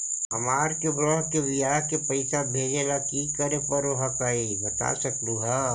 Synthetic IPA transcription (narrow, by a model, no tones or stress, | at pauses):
ɦɐmaːɾkebɽɔ̃ɦkeʋɪjaːɦkepɐɪsabʱeːd͡ʒelakikəɾepɐɾɐɦakaibɐt̪a̰sɐkd̪uɦaː